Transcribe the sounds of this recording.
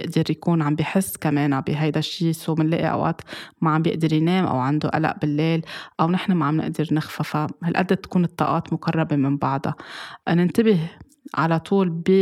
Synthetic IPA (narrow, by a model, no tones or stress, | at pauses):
ɪʔd̪ɪɾjakuːnʕambiħɪsːkameːnabɪɦajd̪aʃːiːsuːmɪnlḛːʔḭʔa̰wʔa̰ʔt̪maʕambjɪʔd̪ɪɾjneːmʔa̰wʕand̪uʔa̰la̰ʔbɪlːeːlʔawnɪħnamaʕamnɪ̰ʔd̪ɪɾnɪxfafahalʔa̰d̪ːat̪ːḁkuːnɨt̪ˤːɑ̰ːʔɑːt̪mʊkɑrˤːɑbemɪmbɑʕd̪ˤɑ̰nɪnt̪ɪbɪh | ʕalat̪ˤʰuːlbi